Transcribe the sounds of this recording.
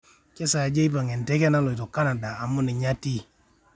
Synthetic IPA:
kɛ˦sa˨d͡ʒe˦i˦pa˨ŋɛ˨ntɛ˦kɛ˦na˦lɔ˨i˨tɔ˨ka˦na˨daː˨mʊ˦nɪ˨ɲa˦ti˦

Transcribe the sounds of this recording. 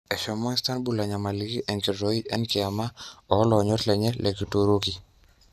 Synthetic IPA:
ɛ˨ʃɔ˨mɔ˦ŋsta˦nbu˦˨la˨ɲa˨ma˨li˨˦ki˦ʔɛ˨nki˨ɾɔ˦i˦ʔɛ˦nkɪ˨a˨ma˦ɔ˨˦lɔ˨ɲɔ˦tlɛ˨ɲɛ˦lʔɛ˨ki˨toɾo˦ki

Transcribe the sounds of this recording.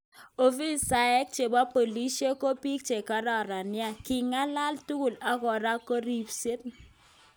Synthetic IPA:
o˨fi˦sa˨ɛ˦k̚t͡ʃe˨ba˦po˨li˦ʃi˦e˦ko˦pi˦k̚t͡ʃe˨ka˦ɾɔ˨ɾa˨nɪ˦a˦˨kɪ˨ŋa˦la˦ltu˦ku˨la˨˦kɔ˨ɾa˦kːo˦ɾi˨pse˦t̚

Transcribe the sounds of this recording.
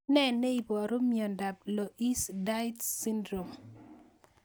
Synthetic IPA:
nɛ˦˨ne˦i˨bɔ˨ɾo˦mjɔ˨nda˨plɔ˨ʔi˦sda˦i˦tsi˦ndɾo˨m

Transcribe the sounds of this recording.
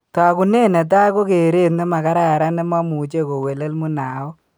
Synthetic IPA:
ta˨ku˨ne˦nɛ˨t̬a˦jko˦ke˨ɾe˦tnɛ˦ma˨ka˦ɾa˦ja˨ɾa˦nɛ˦ma˦mu˨t͡ʃe˦ko˨we˨le˦lmu˦na˨ɔ˦

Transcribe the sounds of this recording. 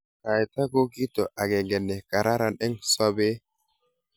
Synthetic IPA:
ka˨jta˦ko˦ki˦to˨ʔa˨ɡɛ˨ŋɡɛ˨nɛ˨ka˨ɾa˦ɾa˨nɛ˦ŋsɔ˦be˦

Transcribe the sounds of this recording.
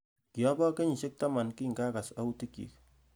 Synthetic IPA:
ki˨ɔ˦bɔ˦ke˦ɲi˨ʃɪ˦k̚ta˦ma˨nkiː˦ŋɡa˦ka˨sa˦u˦ti˦kjḭ˨k̚

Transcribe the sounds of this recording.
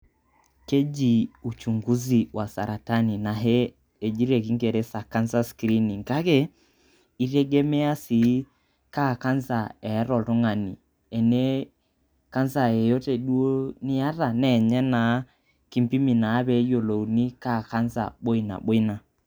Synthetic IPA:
ke˦d͡ʒi˨u˨t͡ʃu˨ŋɡu˦zi˨wʔa˨sa˨ɾa˨ta˦ni˨na˨ɦɛː˦˨ | d͡ʒi˦ɾɛ˨ki˦ŋɡɛ˨ɾɛ˦sa˨ka˦nza˦skɾi˦ni˨ŋka˦kɛ˦ | i˦ɾɛ˦ɡɛ˦mɛ˦a˦si˨˦ | ka˦˨ka˦nza˨ɛ˨˦ɾɔ˨tɔ˦ŋa˨ni˨ | ɛ˨nɛ˦ | ka˦nza˨ɛ˨jo˦tɛ˨ɗu˦o˦ni˦a˦ɾa˨nɛ˨ɲɛ˦na˨˦ | ki˦mpi˦mi˨na˨˦βɛ˦jo˨lo˨u˨ni˦ka˦˨ka˦nza̰˨ɓo˦i˨na̰˨ɓo˦i˦na˨

